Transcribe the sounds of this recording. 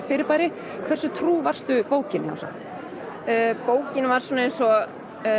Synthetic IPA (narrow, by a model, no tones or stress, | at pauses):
fɪːɾɪɾpajɾɪ | kʰv̥ɛrsʏt̪ʰɾuːvar̥st̪ʏpoːwcɪna̰wsa̰ | poːwcɪnvaɾ̥swɔːnaejnsɔ